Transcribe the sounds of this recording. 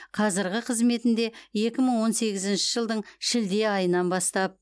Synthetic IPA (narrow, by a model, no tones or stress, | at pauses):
qʰɑzɪɾɡʲɪqʰəzme̞t̪ɪnd̪e̞je̞kʲɪməɴwo̞nse̞ɡʲɪzɪnʃɪʒəlˠd̪əɴʃɪld̪e̞ɑjənɑnbɑst̪ɑp̚